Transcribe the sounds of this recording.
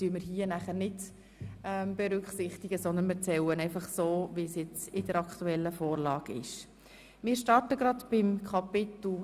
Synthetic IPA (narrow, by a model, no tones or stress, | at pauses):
tyəmɪɾɦiːənæχəɾnɪd | ɛmb̥ɛɾʏkχsɪχt̪iɡəsɔnd̪ənmɪt͡sɛwənɛɪfɑχsoːʋisjɛt͡sɪd̥əɾɑkχt̪uɛlːəfoːɾlɑːɡ̥ɪ̰ʃ | mɪːɾʃtɑɾtəɡɾɑdb̥ɪmkʰɑpɪt̪l̩